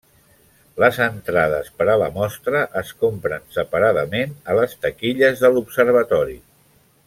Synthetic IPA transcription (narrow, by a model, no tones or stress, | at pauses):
ləzənt̪ɾaðə̰spəɾələmɔst̪ɾəʔəskompɾənsəpəɾaðəmenələst̪əkiʎəzðəlupsəɾβ̞ət̪ɔɾi